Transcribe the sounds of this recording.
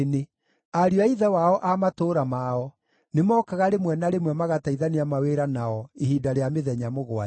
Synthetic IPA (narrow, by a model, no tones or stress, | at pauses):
ne | aɾioaiðawaɔʔamatoːɾamaɔ | nemɔːkaɣaɾemwɛnaɾemwɛmaɣataiðaneamaweɾanaɔehidaɾeameðɛɲamoɣwa